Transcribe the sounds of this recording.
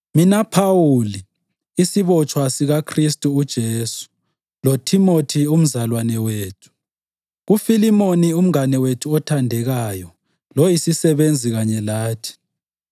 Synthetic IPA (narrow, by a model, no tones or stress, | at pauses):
minapʰawuliː | siβɔt͡ʃʰʼwasiɣakʰristʼuːd̥ʒ̥ʱeːsu̥ | lotʰimotʰium̩zalwanɛweːtʰu̥ | ɣufilimonium̩anɛwetʰuɔtʰandʱɛɣajɔ | lojisisɛβend͡zʱiɣaɲɛlaːtʰi̥